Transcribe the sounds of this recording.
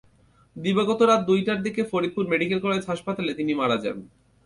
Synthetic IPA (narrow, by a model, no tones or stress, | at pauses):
d̪iboɡot̪oɾat̪̚d̪ujʈaɾd̪ikefoɾid̪̚puɾmeɖikelkoɾet͡ɕɦaʃpat̪alet̪inimaɾad͡ʑa̰n